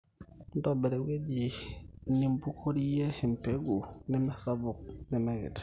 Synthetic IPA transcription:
n˦do˦be˨ɾe˨we˦ɟi˨ni˦mbu˦kʰo˦ɾi˦je˦hi˨mpe˦ɡu˨ni˦ma˦sa˦vu˨k̚nɛ˨me˨ɡḭ˨t

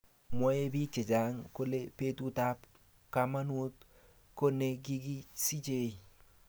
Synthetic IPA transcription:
mɔ˦e˦bi˦t͡ʃe˨d͡ʒa˨˦ŋko˦le˦pe˦tu˦ta˦p | kama˦nu˦t | ko˦ne˦ɡi˦ɡi˦si˦t͡ʃe˦i˨

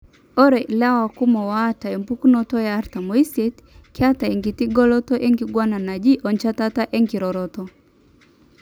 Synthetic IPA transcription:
ɔ˦ɾɛ˨la˦wa˨ku˦mɔ˨wata˨e˨mpu˦ku˦nɔ˦tɔ˦jaː˦ɾta˨mɔ˨i˦se˦t | ki˦a˦ta˨e˨ŋɡi˨ti˦ɡɔ˦lɔ˦tɔ˦ʔe˦ŋɡiɡwa˦na˨na˨d͡ʒi˦ʔɔ˨ɲt͡ʃa˦ta˦ta˦ʔe˦ŋɡi˨ɾɔ˨ɾɔtɔ

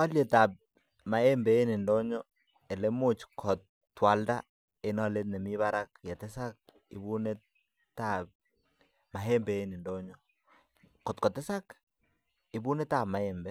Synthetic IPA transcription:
ɔ˦lje˨ta˨p̚ | ma˨e˦mbɛ˨e˦ni˨ndo˦ɲɔ˦ | ɛ˨le˦mʊ˦t͡ʃkʰɔ˨tː | wa˨lda˦ | e˨nɔ˦le˦nɛ˨mi˦βa˦ɾak̚jɛ˨tɛ˦sa˦k̚ | ḭ˨bu˦ne˦ | ta˨p̚ | ma˨ɦe˦mbɛ˨e˦ni˨ndo˦ɲɔ | kɔ˨tkɔ˨tɛ˦sa˦k | i˨bu˦ne˦ta˦bma˨ɛ˨mbɛ˦

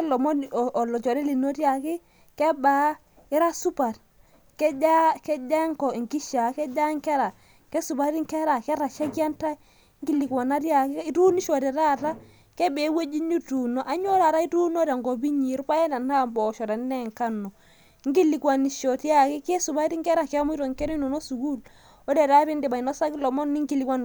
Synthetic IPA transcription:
ɛ˦lɔ˨mɔ˦ɔ˨lɔ˨t͡ʃɔ˨ɾɛ˦li˨no˦tja˨ki˦ | kɛ˦ba˨˦ | i˦ɾa˦su˦ba˨t | kɛ˦d͡ʒa˦kɛ˦d͡ʒa˦ŋkɔ˨i˨ŋɡi˦ʃa˨kɛ˦d͡ʒa˦ŋkɛ˦ɾa˨ | kɛ˦su˨ba˨ɾi˦ŋkɛ˦ɾa˨kɛ˦ɾa˨ʃa˦kja˦nta˦ | ŋɡi˦li˨kwa˨na˦ɾja˨ki˦i˦tu˦ni˦ʃɔ˨ɾi˨ɾa˦˨ta˦ | kɛ˦be˨˦we˦d͡ʒi˦ɲu˦tu˨no˦ʔa˨ɲo˦ɾa˨ɾa˦i˦tu˦no˦ɾa˨ŋɡɔ˨bi˦ɲi˨˦ɾpa˦jɛ˦na˨na˦˨mbɔ˨ʃɔ˨ɾa˨n˦nɛ˦˨ŋka˦nɔ˨˦ | ŋɡi˦li˨kwa˨ni˨ʃɔ˨tja˦˨ki˦ke˦su˨ba˦ti˦ŋkɛ˦ɾa˦ke˦a˦mu˦i˦ɾɔ˨ŋkɛ˦ɾi˦nu˨no˦su˨ku˦˨l | o˦de˨ɾa˦bi˦nde˨ba˨i˨nɔ˦sa˦ki˦lɔ˨mɔ˦nni˦ŋɡi˨li˨ka˦n

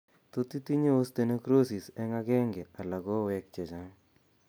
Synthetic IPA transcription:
t̪o˨t̪i˦t̪i˦ɲe˦o˦st̪e˨ne˦kɾo˦si˨sɛ˦ŋa˦ɡɛ˦ŋɡɛ˨a˨la˨ɡɔ˦wɛ˦k̚t͡ʃɛ˨t͡ʃa˦ŋ

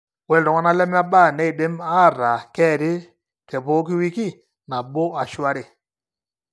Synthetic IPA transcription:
wɛ˨ɾɔ˨ŋɔ˦na˦lɛ˦m˦a˦ɓa˦˨nɛ˦i˨ɗe˦ma˦˨ɾa˨kɛː˦˨ɾɪ˦ | kɛ˨po˦ki˦wi˦ki˦˨ | na˨ɓo˦a˨ʃwa˦ɾɪ˨

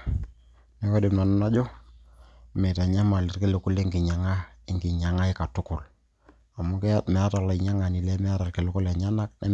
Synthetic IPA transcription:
ne˨˦kɔ˦dɪ˨mnɔ˨nʊ˦na˦d͡ʒo˦ | me˨ta˨ɲa˦ma˨lɪ˦rke˦le˨kʊ˦le˦ŋɡɪ˨ɲa˨ŋa˦ɪ˦ŋɡɪ˨ɲa˨ŋa˦ɪ˦ka˨tʊ˦kʊ˨l | a˨mʊ˦kmɛ˨a˦ta˨lɔ˨ɪ˨ɲa˦ŋa˨ni˨lɛ˦mɛ˦a˦ɾa˨rke˨lʊ˦kʊ˦lɛ˨ɲa˦na˦knɛ̰˦

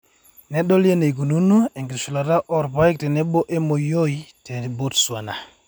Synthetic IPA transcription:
nɛ˦ɗɔ˦lje˦ne˨ɡu˨nu˦no˦e˨ŋɡi˨ɾsu˨la˨ɾa˦ʔɔ˨ɾpa˦i˦k̚tɛ˨nɛ˦bo˦ʔe˦mo˨jo˦i˦te˨bo˦tswa˨na˨

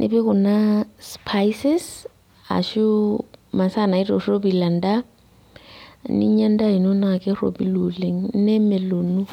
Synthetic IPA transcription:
nʔɪ̰˦bɪ˦kʊ˨na˦spʰajsɪ˦s | a̰˨ʃʊ˦ma˨sa˦˨na˨i˦tʼo˨ro˦bi˨la˨n̩˦da˦ | nḭ˦ɲa˦n̩˦da˦i˨no˦na˨kʼɪ˦ro̰˨bi˦lo˨le˨ŋ̩n̩˦nɛ˦mɛ˨lo˨nu˦

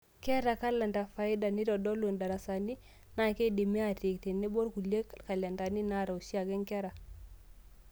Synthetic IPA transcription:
ke˦ɾa˨ka˦la˨nda˨fa˨i˦da˨ni˦dɔ˨dɔ˦lu˨nda˨ɾa˨sa˨ni˦ | na˦˨ke˦di˨mi˦a˨ti˨kti˨nːi˦bo˦ɾku˨le˦kka˨la˨nda˨ni˦na˦˨ɾa˨u˨si˦a˨ke˦ŋke˦ɾa˨

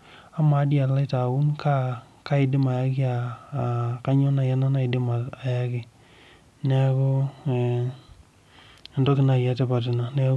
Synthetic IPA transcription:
a˦ma˨˦dja˨la˦ɪ˦ta˨u˦nkʰa˦ | ka˦ɪ˨dɪ˦ma˨ja˦ki˦a˨ | ka˦ɲɔ˦na˨ja˦na˦na˦i˨dɪ˦ma˨a˨ja˦kɪ˨ | nɛ˦kɔ˦˨ | ndɔ˦kɪ˨na˨ja˦tɛ˦pa˨t̬ɪ˨na˨nɛ˦

